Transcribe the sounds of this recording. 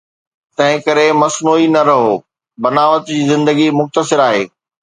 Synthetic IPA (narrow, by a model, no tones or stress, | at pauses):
t̪ɐ̃ɦɪ̃kɐɾemɐsnuːinɐɾɐɦoː | bɐnaːʋət̪d͡ʑiːzɪ̃nd̪əɡimʊxt̪əsɪɾaːɦeː